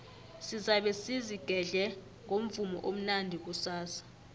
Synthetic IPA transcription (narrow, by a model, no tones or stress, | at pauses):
sizaɓesiziɡ̥ʱɛɮɛ | ŋʱom̩vumɔ̰ʔom̩nandʱik̬usaːsḁ